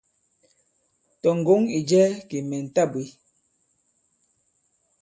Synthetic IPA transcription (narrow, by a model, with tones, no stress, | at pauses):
tɔ˨ŋ˨ɡo˨˦ŋi˨d͡ʒɛ˦ki˨mɛ˨n̩˨ta˦˨bwi˨˦